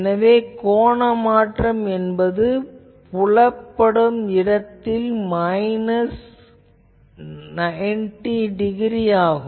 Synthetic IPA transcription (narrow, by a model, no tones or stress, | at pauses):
nɐʋeːkoːɳɐmaːʈrɐmɛnbɐðɯ | pʊɭɐpːɐɽɯmɪɽɐt̪ːɪlmɐɪnɐs | nɐɛnʈiɖɪɣɪɾijaːɣɯm